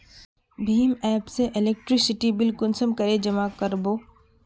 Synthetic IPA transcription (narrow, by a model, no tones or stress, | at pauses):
bʱiːmɛːpseʔɪlek̚ʈɾɪsɪʈibɪlkʊnsəmkɐɾed͡ʒɐmakəɾboː